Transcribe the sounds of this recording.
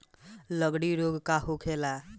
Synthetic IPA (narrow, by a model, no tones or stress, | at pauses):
ləɡɽiɾoɡkaɦokʰela